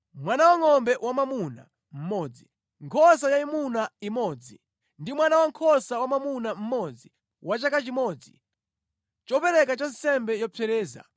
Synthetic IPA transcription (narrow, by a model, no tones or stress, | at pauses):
mwanawaŋɔmbɛʔwamamuna̰ | m̩mɔd͡zi | ŋkʰɔs̬ajaimunaimɔd͡zi | ndimwanawaŋkʰɔsawamamunam̩mɔd͡zi | wat͡ʃakat͡ʃimɔd͡zi | t͡ʃɔpɛɾɛkat͡ʃɔnsɛmbɛjɔpʰɛɾɛːza̰